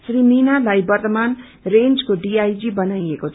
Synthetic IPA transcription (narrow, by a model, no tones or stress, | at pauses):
sriminalajbʌrt̪ʌman | rend͡zkoɖiajd͡ʒibʌnajekot͡sʰ